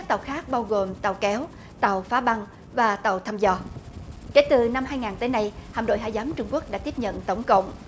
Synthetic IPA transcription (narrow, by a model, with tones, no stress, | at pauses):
k̚t̪a˨˩wxaː˦˥k̚ɓaː˧wɣo˨˩mt̪a˨˩wkɛ˨˦w | t̪a˨˩wfaː˨˦ɓa˧ŋ | vaː˨˩t̪a˨˩wt̪ʰaː˧mzɔ˧ke˨˦jt̪ɨ˨˩na˧mhaː˧jŋaː˨˩nt̪əː˨˦jna˧jhaː˨˩nɗo̰˧˨jɦa̰ː˧˨jzaː˨˦mt͡ɕʊ˧ŋ͡mku˦˥ək̚ɗaː˧˥t̪i˦˥əp̚ɲə̰˧˨nt̪ə˨˦wŋ͡mkə̰˧˨wŋ͡m